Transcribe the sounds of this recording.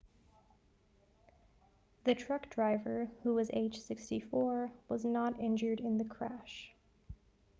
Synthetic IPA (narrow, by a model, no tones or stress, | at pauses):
ðɨtʰɹ̥ʌkd̥ɹaɪvə˞huwʌzeɪd̥ʒ̥sɪkstifɔɹwʌznəɾɪ̃nd͡ʒə˞ɾɪ̃nðɨkʰɹ̥æʃ